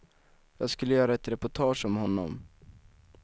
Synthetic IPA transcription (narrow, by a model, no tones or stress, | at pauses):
jɑːɡskɵlːəjœːɾaɛt̪ɾɛpʊʈʰɑːʂɔmhɔnːɔ̰m